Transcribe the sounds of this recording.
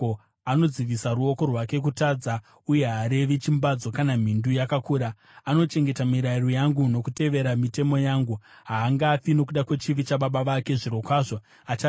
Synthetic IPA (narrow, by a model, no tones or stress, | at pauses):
ano̞d͡ziʋisaɾuo̞ko̞rwake̞k̬utad͡za | uje̞ɦaɾe̞ʋit͡ʃimbad͡zo̞kanam̤indujakakuːɾa | ano̞t͡ʃe̞ŋɡe̞tamiɾairojaŋɡuno̞kute̞ʋe̞ɾamite̞mo̞jaːŋɡu | ɦaːŋɡafino̞k̬uɗakwe̞t͡ʃiʋit͡ʃaɓaɓaʋake̞ʐiɾo̞kwaːʐo | at͡ʃa